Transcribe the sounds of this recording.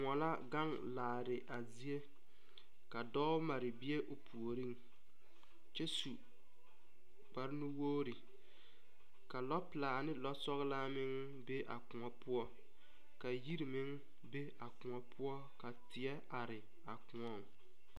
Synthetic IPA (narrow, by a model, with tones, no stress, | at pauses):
ŋɔ˨la˦ɡa˦ŋ | laː˨ɾɪ˨ʔa˨zi˦e˦ | ka˨dɔ˦ʊ˦ma˨ɾɪ˨bɪ˦e˦ʔʊ˨pʰu˨o˨ɾi˦ŋ | t͡ʃɛ˦su˨ | k͡pa˦ɾnu˦woː˦ɾi˨ | ka˨lɔ˦plaː˨nɪ˦lɔ˦sɔ˦ɣɪ˦la˦mɪ˦ŋ | be˦ʔa̰˨kʊ˨ŋɔ˨pʊ˦ɔ˦ | ka˨ji˦ɾi˨mɪ˦ŋ | be˦a˨kʊ˨ŋɔ˨pʰʊ˦ɔ˦ka˨tɪ˨ɛ˦ | a˨ɾɪ˨ | a˨kʊ˨ŋɔ˦˨ŋ